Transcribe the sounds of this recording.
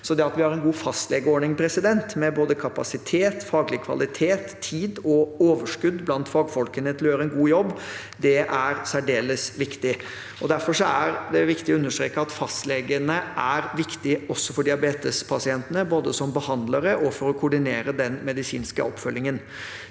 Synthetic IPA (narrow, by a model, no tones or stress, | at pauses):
sɔd̪ɛɑt̪ʋɪhɑɾɛnɡuːfɑst̪lɛɡəoːɳɪŋpʰɾɛsɪd̪ɛnt̪mɛboːd̪əkʰɑpɑsɪt̪ʰeːt̪fɑːɡlɪkʰʋɑ̰lɪt̪ʰeːt̪ʰːiːd̪ɔoːʋəʂkʉd̪ːblɑnt̪fɑːɡfɔlkənət̪ɪljøːɾəɛnɡuːjɔbː | d̪ɛʔæɾsæɖeːləsʋɪkt̪ɪ | ɔd̪æɾfɔʂɔæɾd̪ɛʋɪkt̪ɪɔʉnːəʂʈɾḛːkːəɑt̪fɑst̪leɡənəʔæɾʋɪkt̪ɪɔsːɔfɔɖɪɑbeːt̪əspʰɑsɪɛnt̪ənəboːd̪əsɔmbəhɑnd̪ləɾəʔɔfɔɾɔkʰʊɖɪneːɾəd̪ɛnmɛd̪ɪsiːnskəɔpːfœljɪŋən